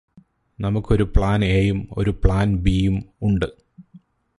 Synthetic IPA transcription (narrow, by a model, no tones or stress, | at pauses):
nɐmukːo̞ɾupɭaːneːjumo̞̰ɾupɭaːnbiːjumuɳɖɨ